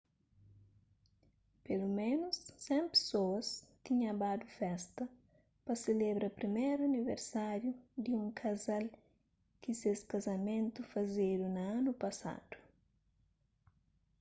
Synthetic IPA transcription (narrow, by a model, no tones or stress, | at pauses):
pelumẽnʊsːɛ̃mpe̥soɐst̪iɲɐ̃bad̪ufɛst̪ɐ | pɐselebɾɐpɾimeɾuɐniveɾsaɾjud̪ɪũŋkʰɐzal | kɪseskɐzɐmẽnt̪ufɐzed̪unɐanupɐsa̰d̪̥u̥